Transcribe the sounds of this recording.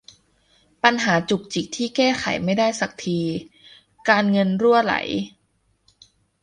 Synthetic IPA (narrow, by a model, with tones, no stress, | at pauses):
pa˧nɦaː˩˦t͡ɕu˨˩k̚t͡ɕi˨˩k̚t̪ʰiː˥˩kɛː˥˩xʰa̰˩˦jma˥˩jdaː˥˩jsa˨˩k̚t̪ʰiː˧ | kaː˧nŋɤ˧nɾu˥˩əla̰˩˦j